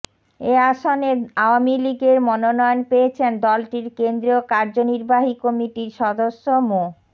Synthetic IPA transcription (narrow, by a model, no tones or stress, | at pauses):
eaʃoneaoamiliɡeɾmɔnonɔjonpeet͡ɕʰend̪ɔlʈiɾkend̪ɾiokaɾd͡ʑoniɾbaɦikɔmiʈiɾʃɔd̪oʃːomo